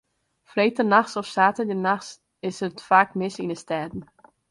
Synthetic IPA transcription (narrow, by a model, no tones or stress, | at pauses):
freːtənaxsɔfsaːtədənaxs | ɪsətfaːkmɪsinəstɛːdn̩